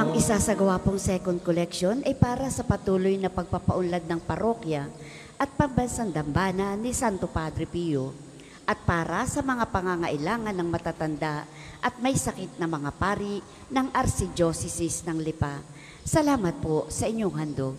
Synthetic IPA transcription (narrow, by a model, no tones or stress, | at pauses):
ʔɐŋʔɪsasɐɡɐwapoŋsɛkond̪̚kolɛkʃo̞nʔɐjpaːɾɐsɐpɐt̪uːlojnɐpɐɡ̚papɐʔʊnlad̪̚nɐŋpɐɾo̞kjɐ | ʔɐt̪̚pɐmbɐnsand̪ɐmbaːnɐnɪsant̪opad̪ɾɪpijo | ʔɐt̪̚paːɾɐsɐmɐŋapɐŋaŋɐʔɪlaːŋɐnːɐŋmɐt̪aːt̪ɐnd̪a | ʔɐt̪̚mɐjsɐkɪt̪̚nɐmɐŋapaːɾi | nɐŋʔɐɾsɪd͡ʒosɪsɪsnɐŋlɪpa | sɐlaːmɐt̪̚posɐʔɪɲːoŋhɐnd̪o